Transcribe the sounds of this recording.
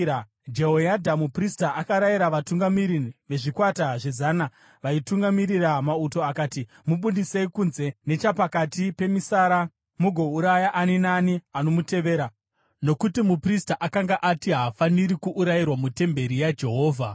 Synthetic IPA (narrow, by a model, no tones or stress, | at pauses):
d͡ʒe̞ɦojadʱamupristaʔakaɾajiɾaʋatuŋɡamiɾiiʋe̞ʐikwataʐe̞zaːna | ʋaituŋɡamiɾiramauto̞akaːti | muɓundiseikunze̞ne̞t͡ʃapakatipe̞misaɾa | muɡʱo̞uɾajaʔaninaniano̞mute̞ʋe̞ːɾa | no̞kutimupristaʔakaŋɡaʔatiɦafaniɾikuʔːɾairwamute̞mbe̞ɾijad͡ʒe̞ɦo̞ːvʱa